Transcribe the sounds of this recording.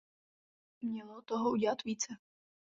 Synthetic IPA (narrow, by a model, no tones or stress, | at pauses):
mɲʲɛlˠɔt̪ɔɦɔudʲɛlat̪ʋʲiːt̪sɛ